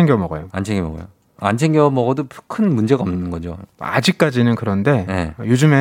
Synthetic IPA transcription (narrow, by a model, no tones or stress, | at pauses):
eŋɡjʌmʌɡʌ̰joa̰nt͡ɕʰeŋɡjʌmʌ̰ɡʌ̰jo̰ | a̰nt͡ɕʰeŋɡjʌmʌɡʌdopkʰɯnmund͡ʑe̞ɡaʌmnɯnɡʌd͡ʑo̰a̰d͡ʑik̚k͈ad͡ʑinɯnkɯɾʌnde̞je̞̰jod͡ʑɯme